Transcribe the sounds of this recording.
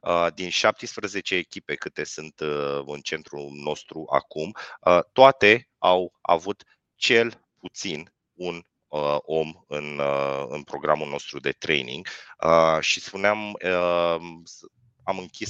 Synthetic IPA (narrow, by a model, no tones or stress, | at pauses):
əd̪inʃap̚t̪ijspɾəze̞t͡ʃeːkʲipe̞kɨt̪e̞sɨnt̪ɨnt͡ʃe̞nt̪ɾuno̞st̪ɾuʔa̰kumət̪ːoat̪e̞ | awa̰vut̪ | t͡ʃe̞l | put̪sin | un | əo̞mɨnɨ̰npɾo̞ɡɾamulno̞st̪ɾud̪e̞t̪ɾe̞̰jnḭŋɡəʃispuneamə | amɨŋkʲis